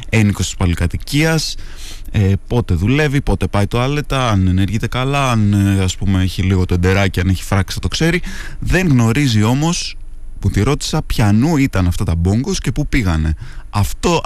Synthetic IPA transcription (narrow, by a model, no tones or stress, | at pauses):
e̞nikost̪i̥spɐlikɐt̪iciɐs | epo̞t̪e̞ðule̞vipo̞t̪e̞pɐjt̪o̞ɐle̞t̪ɐɐneneɾʝit̪e̞kɐlɐɐnɐspume̞eçiliɣo̞t̪oend̪e̞ɾɐciɐne̞çi̥fɾɐksɐt̪o̞kse̞ɾiðe̞ŋɣno̞ɾizio̞mo̞s | put̪iɾo̞t̪i̥sɐpçɐnuit̪ɐnɐft̪ɐt̪ɐbo̞ŋɡo̞sce̞pupiɣɐne̞ɐft̪o̞